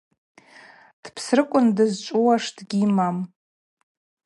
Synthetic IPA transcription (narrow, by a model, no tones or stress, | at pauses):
d̥pʰsrɨkʷʼʊndɨzt͡ʃʷʼuwaʂdɡʲimam